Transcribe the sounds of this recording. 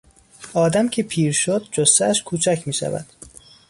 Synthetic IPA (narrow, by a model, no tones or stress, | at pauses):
ɒːd̪æmcʰe̞pʰiːɾʃod̪̚d͡ʒost̪ææʃkʰuːt͡ʃʰæcʰmiːʃæ̰væ̰d̪̥